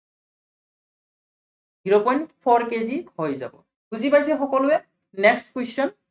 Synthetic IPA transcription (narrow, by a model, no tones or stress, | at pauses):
ɡiɹɔpɔnpʰɔɹkezihojza̰bɔ̰ | ɡuzipajsɛxɔkɔlʊɛ | nɛkstkwest͡ʃɔn